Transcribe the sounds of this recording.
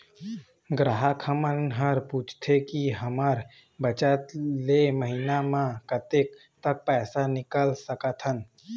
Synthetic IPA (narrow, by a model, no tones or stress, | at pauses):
ɡɾaɦəkʰəmənɦəɾpuːt͡ʃʰt̪ʰekiɦəməɾ | bət͡ʃət̪leməɦinamãkət̪ek | t̪ək̚pɛːsanɪkəlsəkət̪ʰɦən